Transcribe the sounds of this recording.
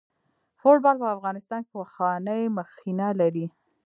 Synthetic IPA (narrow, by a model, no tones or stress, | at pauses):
fʊʈ̚bɑlpəafɣɑnɪst̪ɑnkewaxɑnəjməxinalaɾi